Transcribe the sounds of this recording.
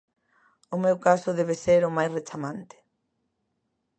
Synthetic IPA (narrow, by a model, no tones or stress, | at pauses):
ʊmewkasʊðeβ̞eseɾʊmajsret͡ʃamãnt̪ɪ̥